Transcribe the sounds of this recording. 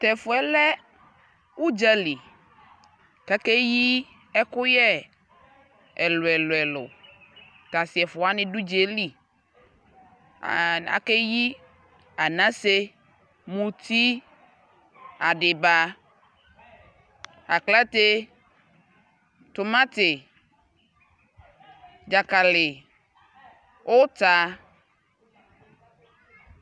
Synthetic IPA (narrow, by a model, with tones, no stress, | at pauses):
t̪ɛ˨fʊ˨ɛ˦lɛ˦ | u˦d͡ʒa˦li˨ | ka˦ke˦ji˦ | ɛ˦kʊ˦jɛ˦ | ɛ˨lʊ˨ɛ˨lʊ˨ɛ˨lʊ̰˨ | t̪a˨si˨ɛ˨fʊ˨a˦nɪ̃˨du˦d͡ʒe˨˦li˦˨ | a̰˦ke˦ji˦ | a˨nã˦se˦ | mũ˨t̪i˦ | a˨dɪ˨ba˨˦ | a˨kla˦t̪e˦ | t̪ʊ˨mã˦t̪ɪ˨ | d͡ʒa˨ka˨lɪ˨ | ʊ˦t̪a˨˦